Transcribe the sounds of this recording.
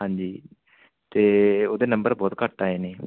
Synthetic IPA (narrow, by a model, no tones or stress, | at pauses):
ɦãːɲd͡ʒiː | t̪eːoːd̪eːnəmbəɾbɔːt̪kəʈːaːeːneː